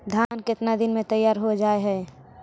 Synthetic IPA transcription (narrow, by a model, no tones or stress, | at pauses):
d̪ʱjaːnkɪt̪nad̪ɪnmẽt̪əjːaːɾɦod͡ʒaːeɦɛː